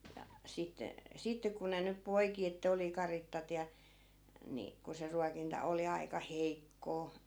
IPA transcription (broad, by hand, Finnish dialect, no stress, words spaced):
jɑ sitːe sitːe ku ne nyp poiki etːæ̆ oli kɑritːɑt jɑ ni ku se ruɑkintɑ oli ɑi̯kɑ heikːoː